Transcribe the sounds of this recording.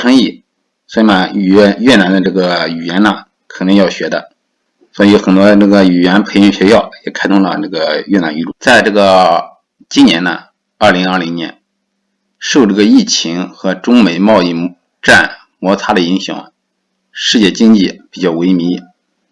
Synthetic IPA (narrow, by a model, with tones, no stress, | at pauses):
ʈ͡ʂʰɤ˥ŋi˥˩ | swɔ˧˥i˨˩nə˧˨˩ɥɛ˥˩na˧˥nd̪ə˧ʈ͡ʂɤ˥˩ɡə˩y˨˩ɥɛ˧˥nnə˧ | kʰɤ˨˩nɤ˧˥ŋjɑ˥˩ʊɕɥɛ˧˥d̪ə̰˧ | swɔ˧˥i˧jo˧˥ʊxə˨˩nt̪wɔ˥˧nɤ˥˩ɡə˩y˨˩ɥɛ˧˥npʰe˧˥ɪjɕɥɛ˧˥ɕjɑ˥˩ʊjɛ˨˩kʰa˥ɪt̪ʰʊ˥ŋlə̰˧nɤ˥˩ɡə˩jɥɛ˥˩na˧˥ny˧˥ʈ͡ʂu˥˩t͡sa˥˧ɪʈ͡ʂɤ˥˩ɡə˩ | t͡ɕi˥njɛ̰˧˥nnə̰˧ | ɐ˞˥˩li˧˥ŋɐ˞˥˩li˧˥ŋnjɛ̰˧˥n | ʂo˥˧ʊʈ͡ʂɤ˥˩ɡə˩i˥˩t͡ɕʰi˧˥ŋxɤ˧˥ʈ͡ʂʊ˥ŋme˨˩ɪmɑ˥˧ʊi˥˩ | ʈ͡ʂa˥˩n | mwɔ˧˥t͡sʰa˥d̪ə˨i˧˥ŋɕjɑ̰˨˩ŋ | ʂɻ̩˥˧t͡ɕjɛ˥˩t͡ɕi˥ŋt͡ɕi˥˩pi˨˩t͡ɕjɑ˥˩ʊwe˧˥ɪmi˧˥